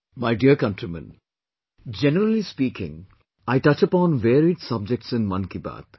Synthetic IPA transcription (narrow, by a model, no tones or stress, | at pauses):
maɪɖiəkʌ̃nʈɾimə̰̃n | d͡ʒɛnəɾəlispiːkɪ̰̃ŋ | aɪʈʌt͡ʃəpɔ̃ːnʋeːɾiɖsʌb̚d͡ʒɛk̚ʈsɪ̃nmʌ̃nkiba̰ːt̪